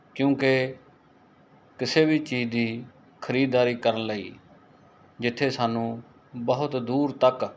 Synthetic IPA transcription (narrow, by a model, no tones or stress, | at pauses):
kjũːke | kɪseːbiːt͡ʃiːd͡ʒd̪iː | kʰəɾiːd̪aːɾiːkəɾənləḭː | d͡ʒɪt̪ʰːeːsaːnũː | bəɦʊt̪d̪uːɾt̪ək